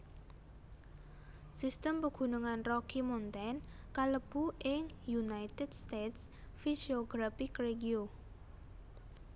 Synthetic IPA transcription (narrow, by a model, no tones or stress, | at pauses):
sist̪əmpəɡ̥ṳnuŋanrɔkimont̪ɛn | kaləb̥uɪŋjunait̪ɛdst̪et̪s | fisioɡ̥ɾafikreɡio